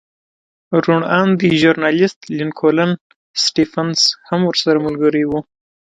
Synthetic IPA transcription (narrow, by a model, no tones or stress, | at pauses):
ɾuɳand̪əʒʊɾnɑlɪst̪linkʰolan | sʈifanshamwəɾsaɾamʊlɡəɾijwu